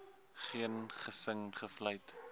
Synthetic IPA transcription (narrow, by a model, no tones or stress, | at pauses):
χiənχəsəŋχəflɐjt